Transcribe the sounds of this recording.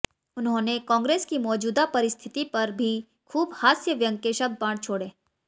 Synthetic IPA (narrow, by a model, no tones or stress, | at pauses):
ʊnɦõːnekɔ̃ːŋɡɾeːskimɔːd͡ʒuːd̪apɐɾɪst̪ʰɪt̪ipɐɾbʱi | kʰuːbhaːsjəʋjə̃ŋkeʃəb̚d̪̚pãːɽt͡ʃʰoːɽeː